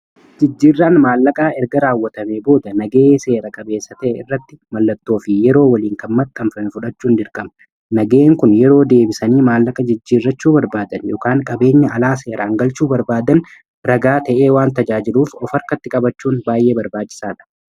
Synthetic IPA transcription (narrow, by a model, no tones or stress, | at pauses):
d͡ʒɪd͡ʒːiːrːaːnmaːlːɐkʼaːɛɾɡɐɾaːwːɐt̪ɐmeːbo̞ːd̪ɐnɐɡe̞ːse̞ːɾɐkʼɐbeːsːɐt̪ɐʔɛɪrːɐt̪ːɪmɐlːɐt̪ːo̞ːfɪjɛɾo̞ːwɐliːŋkɐnmːɐt̪ʼːɐmfɐnfʊᶑɐt͡ʃːuːnd̪ɪɾkʼɐm | nɐɡe̞ːŋkʊnjɛɾo̞ːd̪e̞ːbɪsɐniːmaːlːɐkʼɐd͡ʒɪd͡ʒːiːrːɐt͡ʃːuːbɐɾbaːd̪ɐnjɔkaːŋkʼɐbe̞ːɲːɐʔːlaːse̞ːɾaːŋɡɐlt͡ʃuːbɐɾbaːd̪ɐn | ɾɐɡaːt̪ɐʔeːwaːnt̪ɐd͡ʒaːd͡ʒɪluːfɔfɐɾkɐt̪ːɪkʼɐbɐt͡ʃːuːnbaːjʔe̞ːbɐɾbaːt͡ʃːɪ̥saːᶑɐ̥